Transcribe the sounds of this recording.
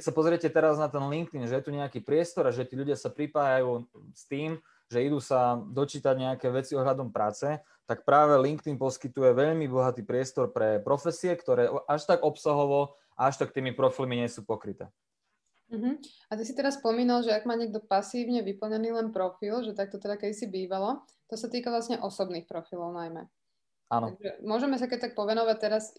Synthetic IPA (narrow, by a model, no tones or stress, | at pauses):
kɛcsapɔzɾɪɛcɛt̪ɛɾaznat̪ɛnliŋkt̪inʒɛjɛt̪uɲɛakiːpɾɪɛst̪ɔɾaʒɛt̪iːʎuɟɪasapɾipaːjajuːst̪iːm | ʒɛid̪uːsad̪ɔt͡ʃiːt̪aɟɲɛakɛːʋɛt͡siɔɦʎad̪ɔmpɾaːt͡sɛ | t̪akpɾaːʋɛliŋkt̪inpɔskit̪ujɛʋɛʎmibɔɦat̪iːpɾɪɛst̪ɔɾpɾɛpɾɔfɛsiɛkt̪ɔɾɛːʔaʃt̪aɡɔpsaɦɔʋɔ | aaʃt̪akt̪iːmipɾɔfilmiɲɪɛsuːpɔkɾit̪ɛ̰ː | m̩ɦm̩ | at̪isit̪ɛɾasspɔmiːnalʒɛaɡmaːɲɪɛɡ̚d̪ɔpasiːʋɲɛʋipl̩ɲɛniːlɛnpɾɔfilʒɛt̪ak̚t̪ɔt̪ɛd̪akɛd̪isibiːʋalɔ | t̪ɔsat̪iːkaʋlasɲɛʔɔsɔbniːxpɾɔfilɔʊnajmɛ̰ | ʔanɔʒɛmʊɔʒɛmɛs̬akɛc̚t̪ak̚pɔʋɛnɔʋac̚t̪ɛɾas